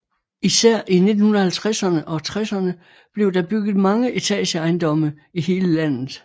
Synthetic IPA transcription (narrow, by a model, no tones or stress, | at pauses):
isæɐ̰ʔine̝d̥n̩hunðˠɐhælt͡sʰʁasɐnəʔɒ̽t͡sʰʁasɐnə | b̥le̝ʊd̥ɑ̈b̥yɡ̥ð̩ˠmɑ̈ŋəʔit͡sʰɛ̰ːlɕəɑ̈ɪnd̥ɒ̽mɐ | ihe̝ːləlæn̰ð̩ˠ